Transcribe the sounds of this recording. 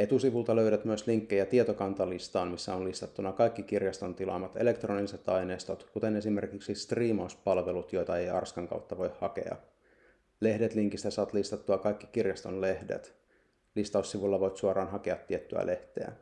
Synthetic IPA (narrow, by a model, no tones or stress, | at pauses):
et̪usiʋult̪ɑløyɾæt̪myəsliŋkːejɑt̪iet̪okɑnt̪ɑlist̪ɑːnmisːæonlist̪ɑt̪ːunɑkɑjkːikirjɑst̪o̞nt̪ilɑ̰mːɑt̪ele̞kt̪roniiset̪ɑjneːst̪ot̪kut̪e̞ne̞sime̞rkiksist̪riːmɑuspɑlʋe̞lut̪jo̞jt̪ɑejɑ̰rskɑŋkɑ̰wt̪ːɑʋo̞jhhɑkḛɑ̰ | le̞hdet̪liŋkist̪æsɑʋɑt̪list̪ɑt̪ːuɑkɑjkːi̥kirjɑst̪onle̞hdḛt̪ | list̪ɑusːiʋulːɑʋo̞jt̪suorɑːnɦɑkeɑt̪ːiet̪ːyæ̰lʔe̞ht̪ḛæ̰